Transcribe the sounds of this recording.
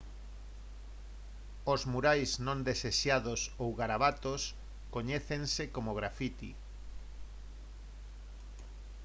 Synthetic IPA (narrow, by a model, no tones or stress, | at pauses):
ozmuɾajsnõnd̪eseʃaðosowɣaɾaβat̪os | koɲeθeŋsekomoɣɾafit̪ḭ